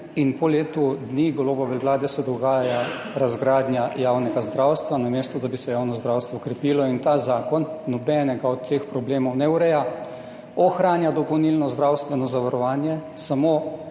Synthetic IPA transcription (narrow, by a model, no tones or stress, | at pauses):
inpɔleːt̪ud̪niɡɔloːbɔʋɛʋlaːd̪ɛsɛd̪ɔɡaːja | ɾazɡɾaːd̪njajaːwnɛɡazd̪ɾaːwst̪ʋanameːst̪ɔd̪abisɛjaːwnɔzd̪ɾawst̪ʋɔkɾɛpiːlɔint̪aːzaːkɔnːɔbɛnɛɡaɔt̪ʰːeːxpɾɔbleːmɔwnɛwɾɛja | ɔxɾaːnjad̪ɔpɔwnilnɔzd̪ɾawst̪ʋɛnɔzaʋaɾɔʋaːnjɛ | samoː